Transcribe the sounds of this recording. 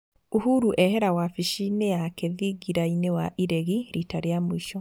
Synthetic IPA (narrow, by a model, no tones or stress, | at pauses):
uhuɾuʔɛɦeɾawafiʃinejakeðiɡiɾainewaʔiɾeɣiɾitaɾjamuiʃɔ